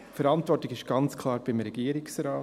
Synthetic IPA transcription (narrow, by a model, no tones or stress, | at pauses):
fɛɾɑntvɔɾtɪɡɪʃɡ̥ɑnt͡skʰlɑːɾb̥ɪmɾɛɡ̥iːɾɪksɾaː